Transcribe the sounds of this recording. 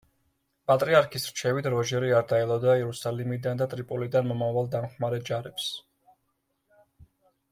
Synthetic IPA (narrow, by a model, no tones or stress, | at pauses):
pʼat̪ʼɾiaɾkʰisɾt͡ʃʰɛvit̪ʰɾɔʒɛɾiaɾd̪aɛlˠɔd̪aɛɾusalimid̪and̪at̪ʼɾipʼulid̪anmɔmavalˠd̪amχmaɾɛd͡ʒaɾɛps